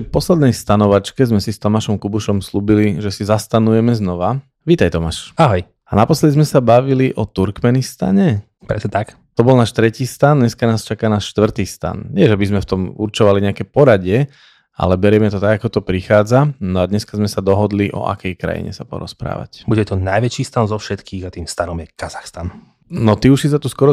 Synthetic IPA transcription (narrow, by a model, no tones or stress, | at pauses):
t̪ɛpɔslɛd̪nɛjst̪anɔʋat͡ʃkɛzmɛsist̪ɔmaʃɔmkubuʃɔmsluːbiliʒɛsizast̪anujɛmɛznɔʋa | ʋiːt̪ajt̪ɔmaʃaɦɔj | anapɔslɛd̪izmɛsabaʋiliʔɔt̪uɾkmɛnist̪a̰ɲɛ | pɾɛsɲɛt̪ak | t̪ɔbɔlnaːʃt̪ɾɛciːst̪and̪ɲɛskanaːst͡ʃakaːnaːʃʃt̪ʋr̩t̪iːst̪a̰nɲɪɛʒɛbizmɛft̪ɔmuɾt͡ʃɔʋaliɲɛakɛpɔɾaɟɪɛ | a̰lɛbɛɾɪɛmɛt̪ɔt̪aɡakɔt̪ɔpɾixaːd͡zanɔad̪ɲɛskazmɛsad̪ɔɦɔd̪liʔɔ̰ʔa̰kɛjkɾa̰jḭɲɛ̰sapɔ̰ɾɔ̰spɾa̰ːʋa̰cbuɟɛt̪ɔnajʋɛt͡ʃiːst̪anzɔfʃɛt̪kʰiːɣat̪iːmst̪anɔmjɛkazaxst̪an | nɔt̪iuʃsis̬at̪uskɔɾɔ